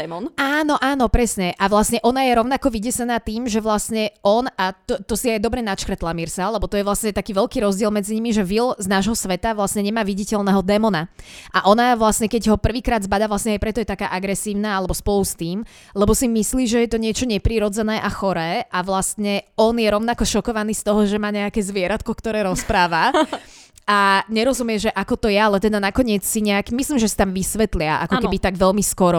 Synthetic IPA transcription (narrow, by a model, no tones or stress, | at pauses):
ɛɔnaːnɔʔaːnɔpɾɛsɲɛʔaʋlasɲɛʔɔnajɛɾɔʊnakɔʋiɟɛsɛnaːt̪iːmʒɛʋlast̪ɲɛʔɔnat̪ɔt̪ɔsiajd̪ɔbɾɛnat͡ʃkɾ̩t̪lamiɾsalɛbɔt̪ɔjɛʋlasɲɛt̪akiːʋɛlkiːɾɔzɟɪɛlˠmɛd͡ziɲimiʒɛʋilznaːʒɦɔsʋɛt̪aʋlasɲɛɲɛmaːʋiɟicɛlnɛɦɔd̪ɛmɔnaʔaʔɔnaʋlasɲɛkɛɟɦɔpr̩ʋiːkɾaːd̪zbad̪aːʋlasɲɛajpɾɛt̪ɔjɛt̪akaːʔaɡɾɛsiːʊnaːalɛbɔspɔlust̪iːm | lɛbɔsimisliːʒɛjɛt̪ɔɲɪɛt͡ʃɔɲɛpɾiɾɔd͡zɛnɛːʔaxɔɾɛːʔaʋlast̪ɲɛɔnjɛɾɔʊnakɔʃɔkɔʋaniːst̪ɔɦɔʒɛmaːɲɛakɛːzʋɪɛɾat̪kɔkt̪ɔɾɛːɾɔspɾaːʋa | ʔaɲɛɾɔzumjɛʒɛʔakɔt̪ɔjɛalɛt̪ɛd̪anakɔɲɪɛt͡ssiɲɛakmisliːmʒɛsḁt̪amʋisʋɛt̪lɪaʔa̰kɔkɛbit̪aɡʋɛlmiskɔɾɔ